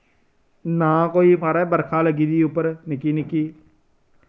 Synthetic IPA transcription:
nãːkoːiːpʰaːɾɛːbəɾkʰãːləɡiːd̪iːʊpːəɾnɪkiːnɪkiː

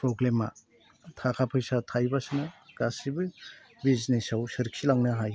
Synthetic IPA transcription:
pʰɾoɡlema̰ | tʰakʰapʰɯjsatʰajbasɯnɐɡ̥asibɯ | biznesawsɯɾiksilaŋnɐɦaj

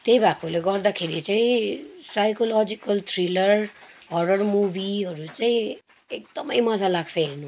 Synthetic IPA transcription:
t̪eːbaːkuleɡɔːɾd̪akʰːeɾiet͡ʃaisaːɪkolɔːd͡ʒɪkəlt̪ʰɾɪləɾɔːɖəɾmuːʋiːɦoɾut͡ʃai | ɪk̚d̪əmiːməzaːlaɡsenũː

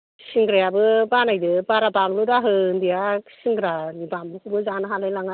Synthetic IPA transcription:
siŋɡɾajabɯbanajdɯbaɾabamludaɦɯndijasiŋɡɾanibamukʰɯbɯzanɯɦalajlaŋa

